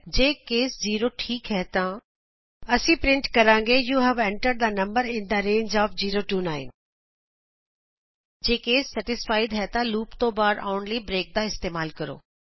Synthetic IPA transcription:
d͡ʑeːkeːsziːɾoʈʰiːkɦɛt̪ã | ɐsĩːpɾɪ̃ɳʈkɐɾãːŋɡejuːɦɛʋɛ̃ːɳʈəɾd̪aːnɐ̃mbəɾɪ̃nd̪aɾẽːɲd͡ʒaːfziːɾoːʈuːnaːɪn | d͡ʑeːkeːsːɐʈɪsfaːɪd̪ɦɛt̪ãluːpt̪obaːɾaːʊɳlibɾeːk̚d̪aɪst̪eːmaːlkɐɾo̰ː

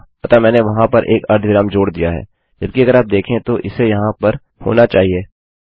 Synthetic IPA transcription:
ɐt̪amɛ̃ːneʋɐɦãpɐɾʔeːkɐɾd̪ʱʋɪɾaːmd͡ʒoːɽd̪ijaɦɛ̰ː | d͡ʒɐb̚kiɐɡəɾaːp̚d̪eːkʰẽt̪oʔɪsejɐɦãpɐɾ | ho̰ːnat͡ʃaːɦieː

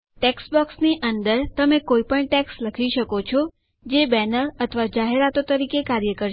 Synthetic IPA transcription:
ʈeksbɔksniʔənd̪əɾt̪əmekoipəɳʈɛksləkʰiʃəkot͡ʃʰɔ | d͡ʒebɛnəɾət̪ʰəʋad͡ʒaɦeɾat̪ot̪əɾikekaɾjəkəɾ

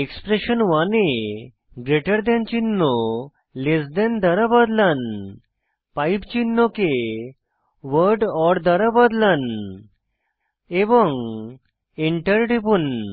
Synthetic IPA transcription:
ekspɾeɕənʋane | ɡɾeʈəɾd̪ɛ̃nt͡ɕinːɔo | lesd̪ɛnd̪əɾabəd̪lan | paipt͡ɕinːoke | ʋəɾɖɔɾd̪əɾabəd̪lan | eʋəŋ | eɳʈəɾʈepuːn

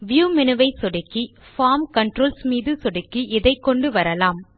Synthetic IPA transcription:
ʋjuːmɪnɯʋɐɪsɔɽɪkːifaːmkɐɳʈɾoːlsmiːðɯsɔɽɪkːiʔɪðɐɪkːɔɳɖɯʋɐɾɐlaːm

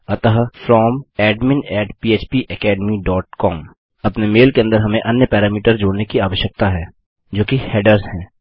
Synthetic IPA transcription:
ɐt̪əɦfɾɔːmɛːɖmɪ̃nɛːʈpiːeːt͡ʃpiʔɛkɛːɖmiɖɔːʈkɔːm | ɐpnemeːlkeɐ̃nd̪əɾɦɐmẽʔɐnjəpɛːɾaːmiːʈəɾd͡ʒoːɽnekiaːʋəʃjək̚t̪aɦɛː | d͡ʒoːkihɛːɖəɾzɦɛ̃ː

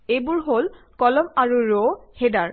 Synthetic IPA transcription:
ejbʊɹɦol | kɔlɔmaɹuɹohedaɹ

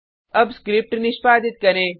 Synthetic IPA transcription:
ɐbskɾɪp̚ʈnɪʃpaːd̪ɪt̪̚kɐɾẽː

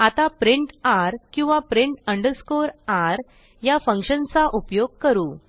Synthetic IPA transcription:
at̪apɾiɳʈaɾkĩw̃ʋapɾiɳʈəɳɖəɾskoɾaɾ | jafəŋkɕənt͡saʔupjoɡ̚kəɾuː

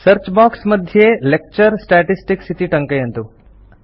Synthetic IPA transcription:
sɐɾt͡ʃbaːksmɐd̪ʱjelek̚t͡ʃɐɾsʈaʈisʈiksit̪iʈɐŋkɐjɐnt̪u

